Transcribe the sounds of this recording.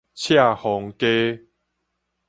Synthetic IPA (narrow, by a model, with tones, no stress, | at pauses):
t͡ɕʰja˥˨hɔ˨˦ŋke˦